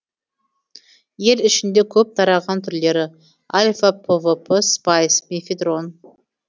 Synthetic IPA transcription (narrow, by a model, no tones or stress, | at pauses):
je̞lɪʃɪnd̪e̞kʲʰɵp̚t̪ʰɑɾɑʁɑnt̪ʰʏɾle̞ɾɪ | alʲfapʰəvəpʰəspajsmefʲid̪ro̞n